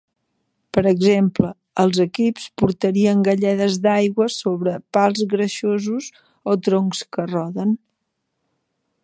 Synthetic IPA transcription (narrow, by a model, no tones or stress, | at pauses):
pəɾəɡzempləː | lˠzəkipspuɾt̪əɾiəŋɡəʎɛðəzd̪ajɣwəsoβɾəpalˠzɣɾəʃozuz | ot̪ɾoŋkskərɔðən